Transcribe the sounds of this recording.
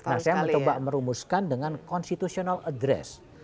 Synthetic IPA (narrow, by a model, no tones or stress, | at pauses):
nahsajaməɲt͡ʃobaʔməɾumuskandəŋankɔnst̪it̪usionaladɾɛ̰s